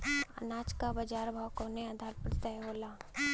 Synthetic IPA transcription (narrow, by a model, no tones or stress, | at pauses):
ə̰naːt͡ʃkabəd͡ʒaːɾbʱawkoːnead̪ʱaːɾpɾət̪əjɦoːlaː